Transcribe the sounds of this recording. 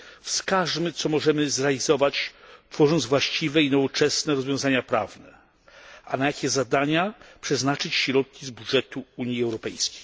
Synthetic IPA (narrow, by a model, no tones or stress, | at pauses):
fskaʐmɘt̪sɔmɔʐɛmɘzɾɛalʲizɔvat͡ɕt̪fɔʐɔnt̪zvwaɕt͡ɕivɛinɔvɔt͡ʂɛsnɛɾɔzvjɔ̃w̃zaɲapɾa̰vnɛ | ʔanajakʲɛzad̪aɲapʂɛznat͡ʂɘt͡ɕɕɾɔt̪̚kʲizbudʐɛt̪uuɲjiɛwɾɔpɛjskʲe̥j